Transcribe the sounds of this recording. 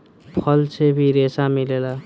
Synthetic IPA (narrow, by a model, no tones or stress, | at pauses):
pʰʌlt͡ʃʰebʱiɾesamilela